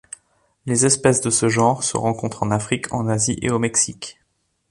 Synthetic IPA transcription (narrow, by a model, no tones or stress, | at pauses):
lezɛspɛsd̪əsəʒɑ̃ʁsə̰ʁɑ̃kɔ̃t̪χɑ̃nafχikʰɑ̰̃naziʔḛomɛksik